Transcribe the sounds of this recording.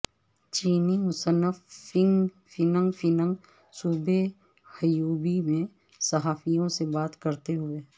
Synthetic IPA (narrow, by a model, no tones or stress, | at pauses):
t͡ʃiːnimʊsənəfɪ̃ŋ | fɪnə̃ŋɡfʰɪnə̃ŋɡ | suːbʱe | hɐjuːbimẽ | sɐɦaːfijõsebaːt̪kəɾt̪eɦʊeː